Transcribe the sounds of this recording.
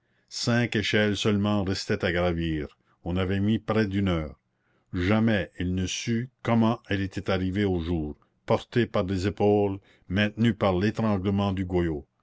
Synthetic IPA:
sɛ̃keʃɛlsœlmɑ̃ʁɛst̪ɛt̪aɡɾaviːʁ | ɔ̃navɛmipɾɛd̪ynœːʁ | ʒamɛilnəsykɔmɑ̃ɛlet̪ʰɛt̪aʁiveoʒuːʁ | pɔʁt̪epaʁlezepoːl | mɛ̃t̪nypaʁlet̪ɾɑ̃ɡləmɑ̃d̪yɡwajo

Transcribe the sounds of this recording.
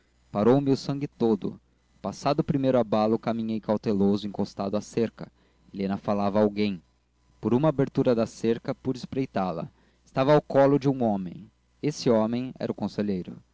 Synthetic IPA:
paɾowmɪʊsɐ̃ŋɡɪt̪od̪ʊ̰ | pasad̪ʊpɾimejɾʊabalʊkamĩɲejkawt̪elozʊĩkost̪ad̪ʊaseɾkɐ | elẽnɐfalavɐawɡẽj̃ | poɾũmɐːbeɾt̪uɾɐd̪ɐseɾkɐpud͡ʒɪspɾejt̪alɐ̰ | ɪ̥st̪avɐːwkɔlʊd͡ʒɪũõmḛ̃j̃ | esɪɔ̃mẽj̃ɛ̰ɾʔʊkõseʎejɾʊ̰

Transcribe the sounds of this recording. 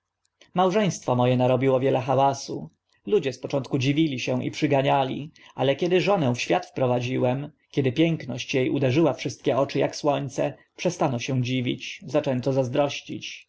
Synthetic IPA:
mawʐɛj̃st̪fɔmɔjɛnaɾɔbʲiwɔvʲjɛlɛxawasu | lud͡ʑɛspɔt͡ʂɔnt̪̚kud͡ʑivʲilʲiɕɛ̃ʔḭpʂɘɡaɲalʲḭʔalɛkʲɛd̪ɘʐɔnɛfɕfʲjat̪fpɾɔvad͡ʑiwɛmkʲɛd̪ɘpʲjɛŋknɔɕt͡ɕjejud̪ɛʐɘwafʂɘst̪̚kʲɛɔt͡ʂɘjakswɔɲt̪sɛ | pʂɛst̪anɔɕɛ̃d͡ʑivʲḭt͡ɕzat͡ʂɛnt̪ɔzazd̪ɾɔɕt͡ɕḭt͡ɕ

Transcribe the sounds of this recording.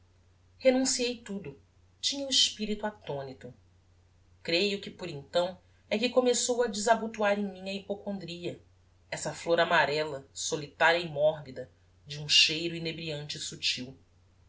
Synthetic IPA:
henũsiejt̪ud̪ʊ | t͡ʃĩɲɐʊiʃpiɾit̪uat̪õnit̪ʊ | kɾejʊkɪpoɾẽnt̪ɐ̃w̃ | ɛkɪkomesowɐd͡ʒɪzabut̪uaɾẽj̃mĩɐipokõnd̪ɾiɐ | ɛsɐfloɾamaɾɛlɐsolit̪aɾɐɪmɔɦbid̪ɐ | d͡ʒɪũʃejɾʊinebɾiɐ̃nt͡ʃɪsut͡ʃiw

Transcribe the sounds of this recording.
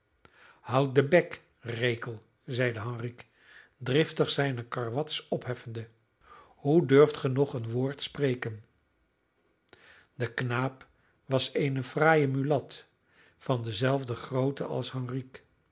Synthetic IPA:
hʌwt̚dəbɛk | rejkəlˠ | zɛjdəɦɑŋrik | drɪftəχsɛjnəkɑɹʋɑtsɔpɦɛfəndə | hudøɹftχənɔχənʋʊːɹtsprejkən | dəknaːp | ʋɑsejnəfraːjəmylɑt | fɑndəzɛlˠvdəχrowtəʔɑ̰lˠsɦɑŋrik

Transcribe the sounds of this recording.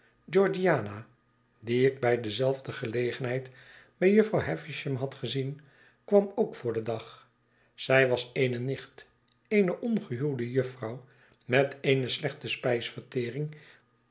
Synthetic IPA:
d͡ʒɔɹd͡ʒiaːna | diɪk̚bɛjdəzɛlˠvdəχəlejχənɦɛjtbɛjjɵfrɑwɦɛfɪʃəmɦɑtχəzin | kʋɑmoʊkfʊːɹdədɑχ | sɛjʋɑsejnənɪχt | ejnəʔɔnχəɦylˠdəjɵfrɑw | mɛteɪnəslɛχtəspɛjsfəɹtɪːrɪŋ

